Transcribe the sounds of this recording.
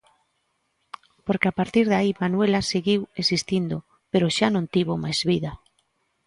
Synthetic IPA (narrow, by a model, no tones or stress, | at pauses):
poɾkɪapaɾt̪iɾðaimanwelaseɣiwesist̪ind̪o | peɾoʃanõnt̪iβomajzβiða